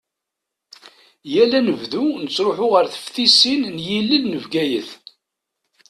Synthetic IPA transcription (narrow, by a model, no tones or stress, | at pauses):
jælænəvðunət͡sːɾoħʊʁəɾθə̥fθisinnjilːilnəvɡæjəθ